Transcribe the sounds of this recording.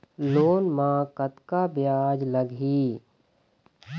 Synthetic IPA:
loːnmãkət̪kabjaːd͡ʒləɡɦiː

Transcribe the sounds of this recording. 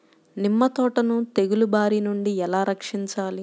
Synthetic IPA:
nimːɐt̪ɔːʈɐnut̪eɡulubaːɾinuɳɖiɛlaːɾɐkʂiɲt͡ʃaːli

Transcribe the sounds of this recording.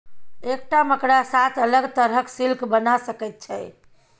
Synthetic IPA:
ek̚ʈaməkɽasat̪ələɡt̪əɾɦəksilkʰbənasəkɛt̪̚t͡ʃʰɛj

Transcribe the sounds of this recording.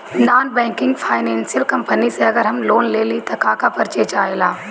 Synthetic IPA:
naːnbɛ̃ːŋkɪ̃ŋɡfʰaːɪnẽːnsɪjəlkɐmpəniseɐɡəɾɦɐmloːnleːlit̪ɐkaːkapɐɾt͡ʃeːt͡ʃaːelaː

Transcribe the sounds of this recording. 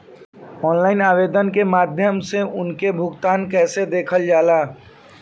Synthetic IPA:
ɔːnlaːɪnaːʋeːd̪ənkemaːd̪ʱjəmseʔʊnkebʱʊɡt̪aːnkɛːsed̪eːkʰəld͡ʒaːlaː

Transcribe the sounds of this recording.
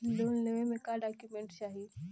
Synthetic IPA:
loːnnəʋẽmẽkaɖaːkjumẽɳʈʃaːɦi

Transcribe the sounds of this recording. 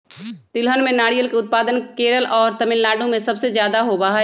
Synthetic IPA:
t̪ɪlɦənmẽnaːɽijəlkeʊt̪̚paːd̪ənkeːɾəlʔɔːɾt̪ɐmɪlːaːɖõmẽsɐbsezjaːd̪aɦobaɦ

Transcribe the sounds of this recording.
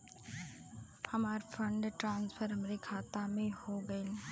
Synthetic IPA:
hɐmaːɾfʰə̃ɳɖʈɾãːnsfʰəɾɦɐmɾekʰaːt̪amẽhoɡɐel

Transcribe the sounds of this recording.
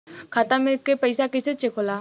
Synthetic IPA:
kʰaːt̪amɪlkepəɪsakɪset͡ʃekʰolaː

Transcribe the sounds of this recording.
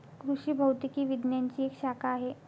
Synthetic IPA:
kɾuʂiːbʱəwt̪ikiːʋid̪njaɲt͡ɕiːekɕakaːɦe

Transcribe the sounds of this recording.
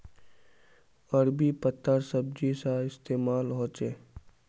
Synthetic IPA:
ɐɾbipət̪ʰːəɾsəb̚d͡ʒisaɪst̪eːmaːlɦoːt͡ʃeː

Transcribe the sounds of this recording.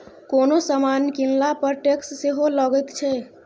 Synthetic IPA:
konosəmankinlapəɾʈeksseɦoləɡət̪t͡ʃʰɛ

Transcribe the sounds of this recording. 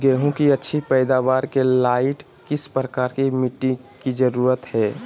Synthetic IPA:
ɡɛːɦũkiətːʃʰipɛːɪd̪aʋaːɾkelaːɪʈ | kɪspɾəkaːɾkimiʈːɪ̃kid͡ʒəɾuːɾət̪ɦɛː

